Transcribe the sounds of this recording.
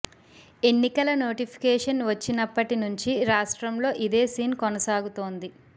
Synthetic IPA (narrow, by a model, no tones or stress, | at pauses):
e̞nːikɐlɐno̞ːʈipʰi̥kɛːʂɐnʋɐt͡ʃːinɐpːɐʈinuɲt͡ʃiɾaːʂʈɾɐmlo̞ːʔid̪eːsiːnkɔnɐsaːɡut̪o̞ːnd̪i